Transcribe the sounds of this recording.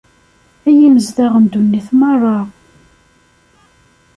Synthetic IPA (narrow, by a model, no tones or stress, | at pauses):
æjiməzðaʁənd̪unːiθmɑrˤːɑ